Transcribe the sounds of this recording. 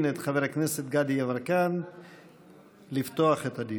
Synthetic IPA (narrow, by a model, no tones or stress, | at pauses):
net̪χaveɾakneset̪̚ɡad̪iavaɾkan | lift̪oaχet̪ad̪i